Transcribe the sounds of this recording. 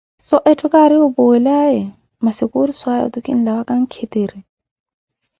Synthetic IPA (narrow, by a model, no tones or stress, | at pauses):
sɔʔɛtʼʊkʼaɾɪʊbʊɛlaɛ | masɪkʼʊɾiswajɔ̰t̪ʊkʼḭn̩lawakʼaŋ̩kʰet̪ʼeːɾi